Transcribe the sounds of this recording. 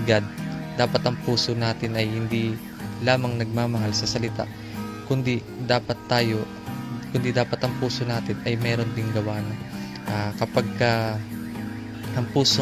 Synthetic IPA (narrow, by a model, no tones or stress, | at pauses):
ɡad̪̚d̪aːpɐt̪ɐŋpuːsonaːt̪ɪnʔɐjhɪnd̪i | laːmɐŋnɐɡ̚maːmɐɦalsɐsɐlɪt̪a̰ʔ | kʊnd̪ɪ | d̪aːpɐt̪ːaːjo̞ | kʊnd̪ɪd̪aːpɐt̪ɐŋpuːso̞naːt̪ɪnɐjmɛːɾo̞nd̪ɪŋɡɐwaːno | ʔakɐpaɡ̚kɐ | ʔɐŋpuːso